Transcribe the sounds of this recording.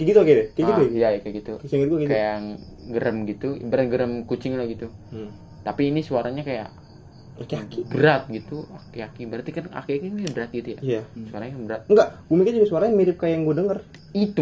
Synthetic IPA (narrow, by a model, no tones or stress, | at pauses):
kəɡit̪ukedɛkəɡiujajkaɡit̪usiŋəɡuakɡik̪ajaŋ | ɡəɾəmɡit̪uj̰bəɾat̪̚ɡəɾəmkut͡ʃɪŋlahɡit̪u | t̪apiːnisuaɾaɲakaja̰ʔ | akiaibəɾat̪̚ɡit̪uakiakibəɾat̪ikana̰kiakiɲajbəɾat̪̚ɡit̪uja̰ijasuwaɾaɲabəɾat̪̚ŋɡaʔɡumikad͡ʒuɡsuaɾaɲamiɾɪp̚kajaŋɡudəŋər | it̪u